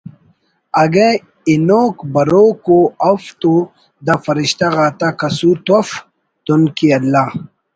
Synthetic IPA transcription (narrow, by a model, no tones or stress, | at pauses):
ɐɡe | inoːkbɐɾoːkoɐft̪o | d̪afɐɾiɕt̪aɣaːt̪akɐsut̪of | t̪unkiɐlːa